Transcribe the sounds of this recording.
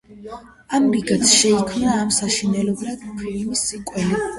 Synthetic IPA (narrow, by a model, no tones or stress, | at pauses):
amɾiɡat̪sʃɛikʰmnaːmsaʃinɛlɔbɾad̪kʰiɾnisikʼwɛli